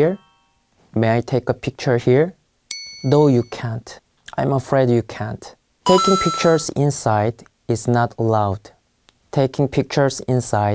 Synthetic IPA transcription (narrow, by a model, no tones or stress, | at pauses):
iɹ | mẽajtʰeɪkəpʰɪk̚t͡ʃə˞hiɹ | ðoʊjukʰæ̃nt | ʔãj̃məfɹeɪdjukʰæ̃nt | tʰeɪkɪ̃ŋpʰɪk̚t͡ʃə˞zɪ̃nsaɪd | ɪznətʰəlaʊd̥ | tʰeɪkɪ̃ŋpʰɪk̚t͡ʃə˞zɪ̃nsaɪ